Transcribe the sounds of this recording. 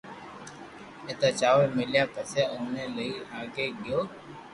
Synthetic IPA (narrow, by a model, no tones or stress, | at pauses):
eːt̪aːt͡ʃaːʋəlmɪljaːpəseːoːneːləiːaːɡeːɡɪjoː